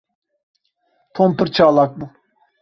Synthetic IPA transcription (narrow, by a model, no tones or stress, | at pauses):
t̪ʰompɯɾt͡ʃʰaːlˠak̚bu